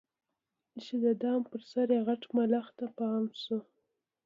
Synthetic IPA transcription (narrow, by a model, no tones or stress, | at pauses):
ʃid̪əd̪ɑmpəɾsaɾjaɣaʈmalaxt̪apɑmsu